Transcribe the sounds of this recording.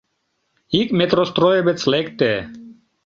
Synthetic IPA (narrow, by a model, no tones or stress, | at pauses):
ikmet̪ɾɔst̪ɾɔjebɛt͡s̪ʰlɛkt̪ɛ